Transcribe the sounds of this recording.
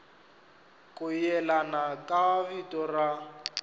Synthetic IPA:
kʼʊjɛlanakʼaaβitɔra

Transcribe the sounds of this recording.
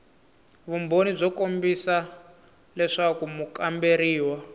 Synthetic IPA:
βumbonib͡ʐɔkombisa | lɛʂakumukambeɾiːwa

